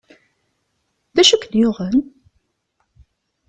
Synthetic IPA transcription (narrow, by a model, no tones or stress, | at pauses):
ðæʃækːənjʊʁən